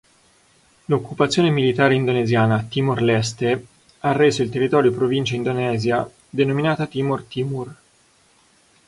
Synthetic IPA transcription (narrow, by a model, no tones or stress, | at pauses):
lokːupat̪sːjoːnemilit̪aːɾeind̪onezjaːnat̪iːmorlɛst̪e | arːeːzoilt̪erːit̪ɔːɾjopɾovint͡ʃaind̪onɛːzja | d̪enominaːt̪at̪iːmort̪imur